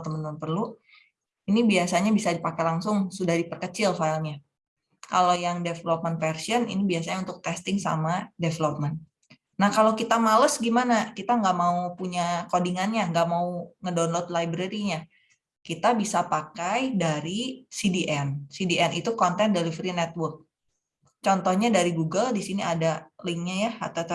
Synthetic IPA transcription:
t̪əmənəmənpərlu | inibiasaɲabisadipakajlaŋsʊŋsudahdipərkət͡ʃɪlfalɲa | kalojaŋdefəlop̚mənfɛrsiɔnḭnibias̬aɲaunt̪ʊk̚t̪ɛst̪ɪŋsa̰madefəlop̚mɛn | nahkalokit̪amaləsɡimanakit̪aŋɡaʔmaupuɲakodiŋanɲaŋɡaʔmauŋədɔnlot̪̚lajbɾeɾiɲa | kit̪abisapakajdaɾisidiʔɛnsidiʔɛnit̪ukɔnt̪ɛndelifɾinɛt̪̚wʊrk̚ | t͡ʃɔnt̪ɔhɲadaɾiɡuɡəldisiniadalɪŋɲajaa̰t̪at̪ə

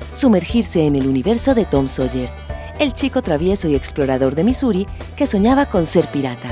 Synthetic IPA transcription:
sume̞ɾxiɾse̞ːneluniβe̞ɾso̞ðe̞t̪o̞mso̞ʎeɾ | e̞lt͡ʃiko̞t̪ɾaβje̞so̞ie̞ksplo̞ɾaðo̞ɾðe̞misuɾi | ke̞so̞ɲaβako̞nse̞ɾpiɾat̪a

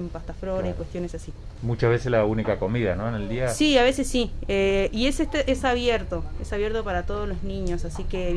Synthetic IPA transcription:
mpast̪afɾoɾaikwe̞st̪jo̞nesasi | mut͡ʃahβeseslaunikako̞miðanoeneld̪iasiaβ̞e̞sesːieieset̪ʔesaβjeɾt̪o̞esaβje̞ɾt̪opaɾat̪o̞ð̞ozlo̞znĩɲo̞sasike

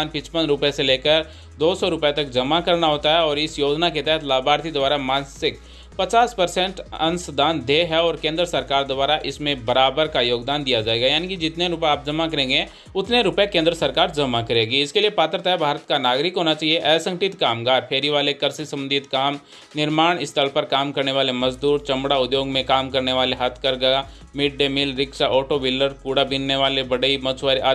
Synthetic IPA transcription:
aːnpɪt͡ʃpənɾʊpeseleːkəɾ | d̪oːsɔɾʊpet̪ɐk̚d͡ʒɐmakɐɾnaɦoːt̪aɦɛɔːɾɪsjoːd͡ʒnaket̪ɛɦɛt̪ʰlaːbʱaːɾt̪ʰid̪ʊaːɾamãːnsɪk | pɐt͡ʃaːspɐɾsɛ̃ɳʈɐ̰̃nsəd̪ʱaːnd̪ʱeːɦɛɔːɾkẽːnd̪ɾəsɐɾkaːɾd̪ʊbaːɾaʔɪsmẽbɐɾaːbəɾkajoːɡd̪aːnd̪ijad͡ʒaːeːɡajaːnikid͡ʒɪt̪neɾʊpeaːp̚d͡ʒɐmakɐɾẽːŋɡe | ʊt̪neɾʊpekẽːnd̪ɾəsɐɾkaːɾd͡ʒɐmakɐɾeːɡiɪskeliepaːt̪ɾt̪abʱaːɾət̪̚kanaːɡɾɪkɦoːnat͡ʃaːieʔɛːsə̃ŋkʈɪt̪kaːmɡaːɾpʰeːɾiʋaːlekɐɾsisɐ̃mənd̪ɪt̪kaːm | nɪɾmaːɽ̃ɪst̪ʰəlpɐɾkaːmkɐɾneʋaːlemɐzd̪uːɾt͡ʃɐ̃mɽaʊd̪joːɡmẽkaːmkɐɾneʋaːleɦɐt̪ʰkɐɾɡɐja | mɪɖ̚ɖemɪlɾɪkʃaʔɔːʈoʋɪlːəɾkuːɽabinːeʋaːlebɐɽəimɐt͡ʃʰʋaːɾia

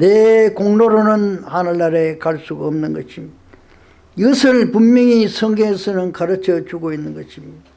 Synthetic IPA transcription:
nekoŋnoɾonɯnhanɯɭːaɾe̞kaɭs͈uɡaʌmnɯnɡʌɕʰimi | iɡʌsʰɯɭpummʌŋisʰʌŋɡeɦesʰɯnɯnkaɾɯt͡ɕʰʌt͡ɕuɡoinːɯnɡʌɕʰimi

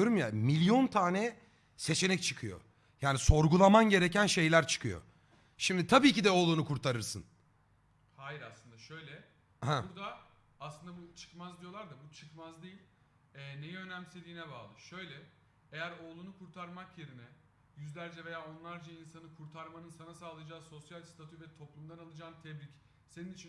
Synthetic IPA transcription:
oɾumjamilʲjo̞nt̪ʰaːnɛ | se̞t͡ʃʰe̞nɛc̚t͡ʃʰɯ̥kʰɯjo̞̰ | jaːniso̞ɾɡulˠamanɟe̞ɾe̞cænʃe̞jlʲæɾt͡ʃʰɯ̥kʰɯjo̰ | ʃimd̪it̪ʰabiːcid̪ɛo̞ːlˠunukʰuɾt̪ʰaɾɯɾsɯn | hajiɾaslˠɯnd̪aʃø̞jlʲɛ | hauɾd̪aː | slˠɯnd̪abut͡ʃʰɯ̥kmazd̪ijo̞lˠaɾd̪abut͡ʃʰɯ̥kmazd̪ejilʲ | ɛːnejɛø̞næmse̞d̪iːnɛbaːlˠɯʃø̞jlʲɛ | ejæɾo̞ːlˠunukʰuɾt̪ʰaɾmakjeɾinɛ | jyzlʲæɾd͡ʒɛve̞jaːo̞nlˠaɾd͡ʒainsanɯkʰuɾt̪ʰaɾmanɯnsanasaːlˠɯjad͡ʒaːso̞sjalʲst̪ʰat̪ʰyvɛt̪ʰo̞plˠumd̪analˠɯd͡ʒaːnt̪ʰɛblʲic | se̞ninit͡ʃʰi

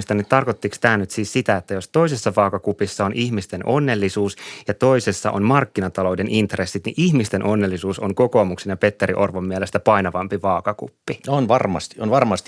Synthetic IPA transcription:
st̪ɑnːitt̪ɑrko̞t̪ːikst̪æːnyt̪siːssit̪æet̪ːæjo̞st̪o̞isesːɑʋɑːkɑkupisːɑonʔiçmist̪e̞nʔo̞nːe̞lːisuːsjɑt̪o̞isesːɑʔo̰nmɑrkːinɑt̪ɑlo̞de̞nʔint̪re̞sːit̪niʔiçmist̪enʔo̞nːe̞lːisuːsoŋko̞koːmuksenjɑpe̞t̪ːeɾiʔo̞̰rʋomːiɛlest̪æpɑinɑʋɑmpiʋɑːkɑkṵpːionʋɑrmɑ̰st̪ionʋɑrmɑst̪i̥

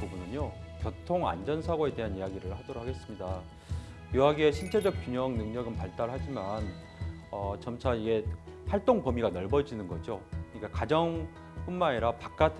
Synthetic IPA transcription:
ubunɯɲjokjʌtʰoŋa̰nd͡ʑʌnsʰaɡoe̞de̞ɦanijaɡiɾɯɭhadʌɾokʰaɡe̞s͈ɯmɲida | juɦaɡieɕʰiɭt͡ɕʰe̞d͡ʑʌk̚k͈uɲʌŋnɯŋɲʌɡɯnpaɭt͈aɭɦad͡ʑiman | ʌt͡ɕʌmt͡ɕʰaiɡe̞ɸaɭt͈oŋpʌmiɡanʌɭbʌd͡ʑinɯnɡʌd͡ʑokɯɲik͈akad͡ʑʌŋ | p͈unmaeɾapak̚k͈atʰ

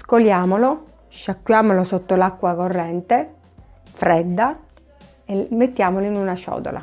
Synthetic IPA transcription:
skoljaːmolo | ʃːakːwjaːmolosot̪ːolakːwakorːɛnt̪e | fɾɛd̪ːa | emːet̪ːjaːmoloinunaʃɔ̰ːd̪o̰la̰

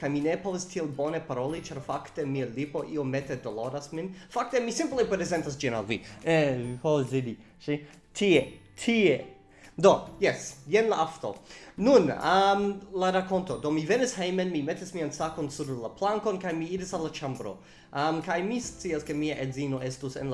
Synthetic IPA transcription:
kajminepovastʰielbonepaɾolit͡ʃaɾfaktemialipo̞ʔiometedoloɾasminfak̚temisĩmplepɾɾezentas̬d͡ʒina̰lvḭɛpovasdidi | ʃi | tʰie | tʰie | dojɛsjenlaʔafto̰nunamlaɾako̞nto̞domivenishejmenmimetismiansakonsuɾlaplaŋko̞nkajmiiɾisalːat͡ʃambɾo̰ | ʔɐmkajmist͡siaskemiaʔedzino̞estusḛn

